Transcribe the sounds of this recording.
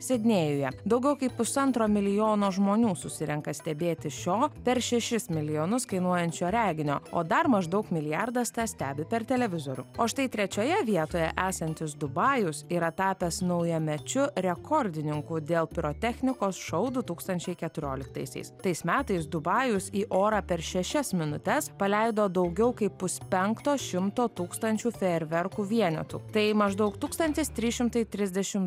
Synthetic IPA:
sʲɛd̪ʲnʲeːjʊjɛd̪ɐʊɡʲɛʊkɐɪpʊsɐnt̪ɾoːmʲɪlʲɪjoːnoːʒmoːnʲuːsʊsʲɪɾʲɛŋkɐsʲt̪ʲɛbʲeːt̪ʲɪʃʲoːpʲɛɾʃʲɛʃʲɪsmʲɪlʲɪjoːnʊskɐɪnuɔjɛnʲt͡ʃʲoːɾʲæːɡʲɪnʲo̰ːoːd̪ɐɾmɐʒd̪ɐʊkmʲɪlʲɪjɑɾd̪ɐst̪ɑsʲt̪ʲæːbʲɪpʲɛɾt̪ʲɛlʲɛʋʲɪzoːɾʲʊ̰oːʃt̪ɐɪt̪ʲɾʲɛt͡ʃʲoːjɛʋʲiɛt̪oːjɛ̰ʔæːsɐnʲt̪ʲɪsd̪ʊbɑːjʊsiːɾɐt̪ɑːpʲɛsnɐʊjɛmʲɛt͡ʃʲʊɾʲɛkʰɔɾʲd̪ʲɪnʲɪŋkud̪ʲeːlˠpʲɪɾoːt̪ʲɛxʲnʲɪkoːsʃɐʊd̪ʊt̪uːkst̪ɐnʲt͡ʃʲɛɪkʲɛt̪ʊɾʲoːlʲɪk̚t̪ɐ̰ɪsʲɛ̰ɪst̪ɐɪsmʲæːt̪ɐɪsd̪ʊbɑːjʊsiːʔoːɾɑːpʲɛɾʃʲɛʃʲɛsmʲɪnʊt̪ʲɛspɐlʲæɪd̪oːd̪ɐʊɡʲɛʊkɐɪppʊspʲɛŋkt̪oːʃʲɪmt̪oːt̪uːkst̪ɐnʲt͡ʃʲuːfʲɛɛɾʲʋʲɛɾkuːʋʲiɛnʲɛ̰t̪ṵːt̪ɐɪmɐʒd̪ɐʊkt̪uːkst̪ɐnʲt̪ʲɪst̪ʲɾʲiːʃʲɪmt̪ɐɪt̪ʲɾʲɪzʲd̪ʲɛʃʲɪm

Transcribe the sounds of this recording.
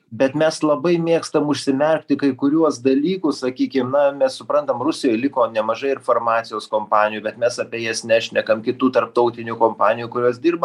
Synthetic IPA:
bʲɛt̪mʲɛslˠɐbɐɪmʲeːkst̪ɐmʊʃʲsʲɪmʲɛrʲk̚ʲt̪ʲɪkɐɪkʊɾʲuɔsd̪ɐlʲiːkʊssɐkʲiːkʲɪmnɐmʲɛssʊpɾɐnt̪ɐmrʊsʲɪjoːjlʲɪkoːnʲɛmɐʒɐɪɪɾfɐrmɑːt̪sʲɪjoːskoːmpɑːnʲɪjuːbʲɛt̪mʲɛsɐpʲeːjɛsʲnʲæʃʲnʲɛkɐmkʲɪt̪uːt̪ɐrp̚t̪ɐʊt̪ʲɪnʲʊkoːmpɑːnʲɪjuːkʊɾʲuɔsd̪ʲirbɐ

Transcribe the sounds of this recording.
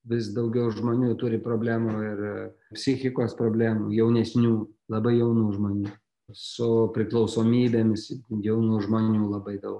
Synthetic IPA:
ʋʲɪsd̪ɐʊɡʲɛʊʒmoːnʲuːt̪ʊɾʲɪpɾoːbʲlʲæːmuɪrpʲsʲɪxʲɪkoːspɾoːbʲlʲæːmuːjɛʊnʲɛsʲnʲuːlˠɐbɐɪjɛʊnuːʒmoːnʲuː | sʊpʲɾʲɪklˠɐʊsoːmʲiːbʲeːmʲɪsjɛʊnuːʒmoːnʲuːlˠɐbɐɪd̪ɐʊk

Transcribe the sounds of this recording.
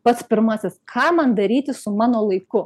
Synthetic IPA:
pɐt̪spʲɪɾmɑːsʲɪskʰɑːmɐnd̪ɐɾʲiːt̪ʲɪsʊmɑːnoːlˠɐɪkʊ

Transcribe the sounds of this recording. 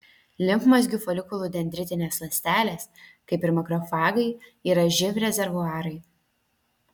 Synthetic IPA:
lʲɪmkmɐs̬ʲɡʲʊfɔlʲɪkʊlˠuːd̪ʲɛnʲd̪ʲɾʲɪt̪ʲɪnʲeːslˠɐsʲt̪ʲæːlʲeːskɐɪpɪɾmʲɐkɾɔfɑːɡɐɪiːɾɐʒʲɪʋʲɾʲɛzʲɛɾʋʊɑːɾɐɪ

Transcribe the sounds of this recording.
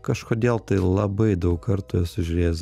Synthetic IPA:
kɐʃkoːd̪ʲeːlˠt̪ɐɪlˠɐbɐɪd̪ɐʊkkɐɾt̪ʊːɛsʲʊʒʲʊɾʲeːz

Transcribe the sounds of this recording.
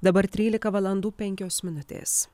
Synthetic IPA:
d̪ɐbɐɾt̪ʲɾʲiːlʲɪkɐʋɐlˠɐnd̪uːpʲɛŋʲkʲoːsmʲɪnʊt̪ʲḛːs

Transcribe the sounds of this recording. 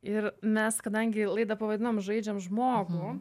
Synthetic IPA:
ɪɾmʲɛskɐd̪ɐŋʲɡʲɪlˠɐɪd̪ɐpɐʋɐd̪ʲɪnoːmʒɐɪd͡ʒʲɛmʒmoːɡu

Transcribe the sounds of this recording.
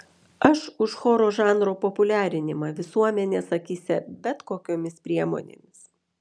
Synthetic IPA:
ɐʃʊʃxoːɾoːʒɑːnɾoːpɔpʊlʲæːɾʲɪnʲɪmɑːʋʲɪsuɔmʲɛnʲeːsɐkʲiːsʲɛbʲɛt̪koːkʲoːmʲɪspʲɾʲiɛmo̰ːnʲḛːmʲɪs

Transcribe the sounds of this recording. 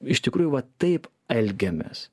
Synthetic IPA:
ɪʃt̪ʲɪkɾuːjuʋɐt̪ɐɪp | ɛlʲɡʲɛmʲḛːs

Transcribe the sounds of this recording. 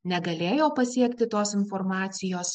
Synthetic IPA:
nʲɛɡɐlʲeːjoːpɐsʲiɛkt̪ʲɪt̪oːsɪnfɔɾmɑːt̪sʲɪjoːs

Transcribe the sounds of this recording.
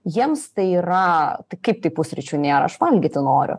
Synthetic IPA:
jiɛmst̪ɐɪiɾɐt̪ɐɪkɐɪp̚t̪ɐɪpʊsʲɾʲɪt͡ʃʲuːnʲeːɾɐ̰ɐʃʋɐlʲɡʲiːt̪ʲɪnoːɾʲʊ̰

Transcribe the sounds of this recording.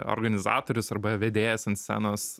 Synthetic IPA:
o̰ɾɡɐnʲɪzɑ̰ːt̪oːɾʲʊsɐɾbɐʋʲed̪ʲeːjɛsɐnt̪sʲsʲæ̰ːnoːs

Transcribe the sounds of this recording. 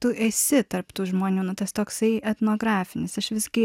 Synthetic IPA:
t̪ʊʔeːsʲɪt̪ɐrpt̪uːʒmoːnʲuːnʊt̪ɐst̪oːksɐɪɛt̪noːɡɾɑːfʲɪnʲɪsɐʃʋʲɪsɡʲɪ

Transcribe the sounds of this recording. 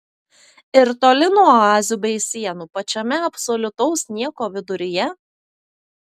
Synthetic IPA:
ɪɾt̪oːlʲɪnuɔɑːzʲuːbʲɛɪsʲiɛnuːpɐt͡ʃʲɛmʲɛɐpsɔlʲʊt̪ɔʊsnʲiɛkoːʋʲɪd̪ʊɾʲɪjɛ

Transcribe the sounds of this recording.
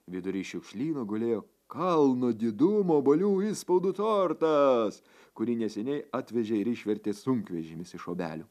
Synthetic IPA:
ʋʲɪd̪ʊɾʲiːʃʲʊkʃʲlʲiːnoːɡoːlʲeːjoː | kɐlˠnoːd̪ʲɪd̪ʊmoːbɐlʲuːispɐʊd̪ut̪oːɾt̪ɐs | kʊɾʲiːnʲɛsʲɛnʲɛɪɑːt̪ʲʋʲɛʒʲeːɪɾɪʃʲʋʲɛɾʲt̪ʲeːsʊŋkʋʲɛʒʲemʲɪsɪʃoːbʲæ̰ːlʲʊː

